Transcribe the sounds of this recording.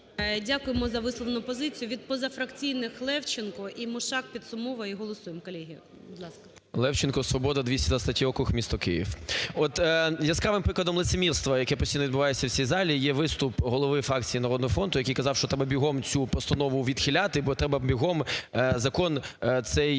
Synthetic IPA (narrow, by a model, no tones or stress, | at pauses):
dʲakʊjemɔzɐʋɪslˠɔʋnʊpɔzɪt͡sʲijʊʋʲid̪̚pɔzɐfɾɐkt͡sʲijnɪxlˠɛwt͡ʃɪnkɔʔimʊʃɑk̚pʲit̪sʊmɔʋɐiɦɔlˠɔsujemkɔlʲɛɦʲijɐ | bʊd̪lˠɑskɐ̥ | lˠɛwt͡ʃɪnkɔsʋɔbɔd̪ɐd̪ʋʲisʲtʲid̪ʋɐst̪ɐtʲiɔkʊxmʲist̪ɔkɪ̰jḭwɔt̪jɐskɑʋɪmpɾɪklˠɐd̪ɔmlˠɪt̪semʲirst̪ʋɐjɐkɛpɔsʲtʲijnɔʋʲd̪bʊʋɑjet͡sʲːɐwt͡sʲijzɑlʲijɛʋɪst̪ʊpɦɔlˠɔʋɪfɾɑk̚t͡sʲijinɐɾɔd̪nɔɦɔfɾɔnt̪ʊjɐkijkɐzɑwʃt͡ʃɔt̪ɾɛbɐbʲiɦɔmt͡sʲupɔst̪ɐnɔʋʊʋʲid̪xʲɪlʲat̪ɪbɔt̪ɾɛbɐbʲiɦɔmzɐkɔnt̪sɛj